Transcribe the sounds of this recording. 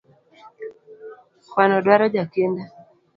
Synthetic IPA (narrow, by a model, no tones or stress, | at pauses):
kwanɔdwaɾɔd͡ʒakenda